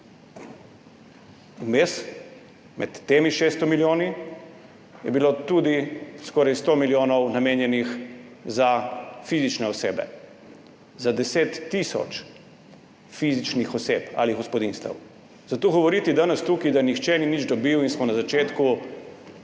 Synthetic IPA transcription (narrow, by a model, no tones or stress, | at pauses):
umes | mɛ̰t̪ːeːmiʃeːst̪ɔmiljoːni | jɛ̰bilot̪ud̪iskɔːɾajst̪oːmiljoːnɔwnameːnjɛnix | zafizit͡ʃnɛɔseːbɛ̰ | zad̪ɛseːt̪ːisɔ̰t͡ʃ | fizit͡ʃnixɔseːpa̰liɡɔspɔd̪inst̪ɛ̰w | zat̪oːɣɔʋɔɾiːt̪id̪anɛst̪uːkid̪ajnixt͡ʃɛninid͡ʒd̪ɔbiwinsmɔnazat͡ʃeːt̪ku